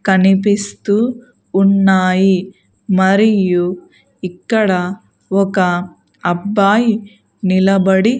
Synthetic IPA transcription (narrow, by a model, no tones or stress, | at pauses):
kɐnipist̪uː | nːaːji | mɐɾiju | ikːɐɽɐ | ɔkɐ | ɐbːaːji | nilɐbɐɽi